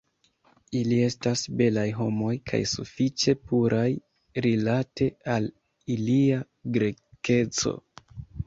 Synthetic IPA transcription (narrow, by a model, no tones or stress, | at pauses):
ilie̞stasbe̞lajɦo̞mo̞jkʰa̰jsṵfit͡ʃe̞puɾʔaj | ɾilate̞al | ilia | ɡɾe̞ke̞t͡so̞̰